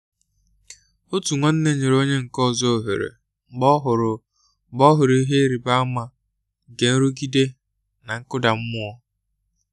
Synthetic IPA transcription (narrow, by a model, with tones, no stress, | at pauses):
o˦tu˨ŋʷɔ˦n̩˦ne˦ɲe˨ɾo˦ɲe˦ŋ̩˨kɔ˦˨zɔ˦o˨ɦḛ˨ɾḛ˨ | ŋ͡m̩˨ɡ͡bɔ˦ɦʊ˨ɾʊ˨ | ɡ͡bɔ˦ɦʊ˨ɾi˦ɦe˦ɾi˨ba˦a˦ma˨ | ŋ̩˨ke˨n̩˦ɾu˦ɡi˦de˦ | na˨ŋ̩˦kʊ˦da˨m̩˦mʊ˦ɔ˦